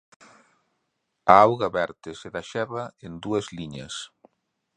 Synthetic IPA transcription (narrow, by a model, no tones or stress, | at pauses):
aawɣɐβɛɾt̪ɪsɪðaʃɛβɐend̪uɐzliɲɐs